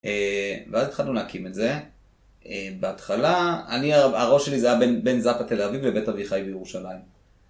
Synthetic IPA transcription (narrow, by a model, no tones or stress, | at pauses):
eveaztχadlunakimetze̞ | ebeatχalaa̰niaaʁo̞ʃe̞lizajabenbe̞nzapat̪e̞lavivlebetaviχajbejeʁuʃalaim